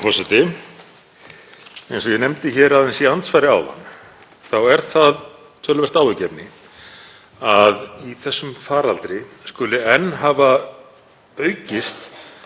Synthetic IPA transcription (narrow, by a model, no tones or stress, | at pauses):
fɔsɛt̪ɪ | ejnsɔjɛnemt̪ɪçɛːɾaðɛnsiant̪sfaːjɾɪa̰wha̰nː | θawɛɾ̥θað | t̪ʰœːlʏvɛst̪aːwɪcɛpnɪ | aðiθɛsːʏmfaːɾalt̪ɾɪskʏːlɪɛnːɦaːva | œɥcɪst̪